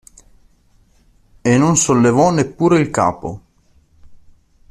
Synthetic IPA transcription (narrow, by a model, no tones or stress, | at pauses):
enonsolːevɔnepːuːɾeilka̰ːpo̰